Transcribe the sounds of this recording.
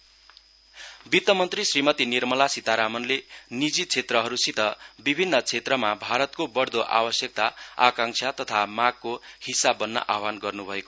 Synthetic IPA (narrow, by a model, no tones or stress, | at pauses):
bit̪ːʌmʌnt̪risrimʌt̪inirmʌlasit̪aɾamʌnlenid͡zit͡sʰet̪rʌɦʌɾusit̪ʌbibʱinːʌt͡sʰet̪rʌmabʱaɾʌt̪̚kobʌɽd̪oʔa̰wʌsjʌk̚t̪aakaŋsʰat̪ʌt̪ʰamaɡ̚kohisabːʌnːʌ̰ʔawanɡʌrnubʱʌeko